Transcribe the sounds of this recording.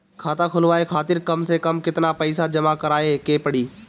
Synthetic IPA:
kʰaːt̪ãkʰʊlʋaːekʰaːt̪ɪɾkɐmsekɐmkɪt̪napɐɪsad͡ʒɐmakɐɾaːekeːpɐɽiː

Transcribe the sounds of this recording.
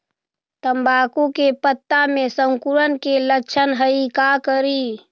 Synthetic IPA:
t̪əmbakukepət̪ːamesəŋkuɾənkeləkt͡ʃʰənɦəikakəɾi

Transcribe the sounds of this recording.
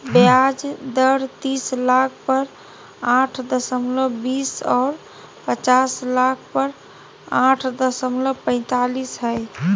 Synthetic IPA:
bjad͡ʒd̪əɾt̪islakʰpəɾ | ãʈʰd̪əsəmləbisɔːɾ | pət͡ʃaslak̚ʰpəɾ | ãʈʰd̪əsəmləpə̃ɪ̃t̪alisɦəj

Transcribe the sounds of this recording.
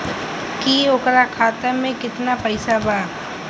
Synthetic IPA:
kioːkɾakʰaːt̪amẽkɪt̪napɐɪsabaː

